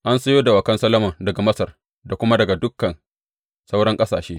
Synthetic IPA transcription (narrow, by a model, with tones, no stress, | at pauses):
ʔa˦nsɐ˦joː˦da˨wɐ˨kɐ˦nsɐ˦lɐ˦mɐ˨ŋdɐ˨ɡa˨mɐ˦sɐ˨r | da˨kʷʊ˦ma˦dɐ˨ɡa˨dʊ˦kːɐ˨n | sa˦wɽɐ˦ŋkʼɐ˦saː˨ʃeː˦